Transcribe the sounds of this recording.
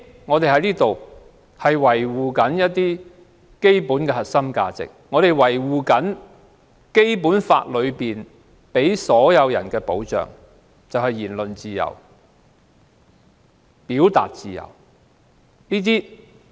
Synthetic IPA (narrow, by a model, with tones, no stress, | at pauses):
ŋɔː˨˧t̪e˨jhɐ˨˥jliː˥t̪o˨w | hɐ˨jwɐ˨˩jwuː˨kɐ˨˥njɐ˥t̚t̪iː˥ | ke˥jpuː˨˥nkɛ˧hɐ˨t̚sɐ˥mka̰ː˧t͡sɪ̰˨k̚ŋɔː˨˧t̪e˨jwɐ˨˩jwuː˨kɐ˨˥n | ke˥jpuː˨˥nfa̰ː˧t̚lɵ˨˧ɥpiː˨n | pe˨˥jsɔː˨˥jɐ˨˧wjɐ˨˩nkɛː˧po˨˥wt͡ʃœ̰ː˨ŋ | t͡sɐ˨whɐ˨jːiː˨˩nlɵ˨nt͡siː˨jɐ̰˨˩w | piː˨˥wt̪a̰ː˨t̚t͡siː˨˩jɐ̰˨˩w | liː˥t̪̬iː˥